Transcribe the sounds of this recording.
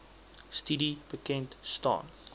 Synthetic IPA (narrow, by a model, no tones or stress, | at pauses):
stidib̥əkɛntstɑ̰ːn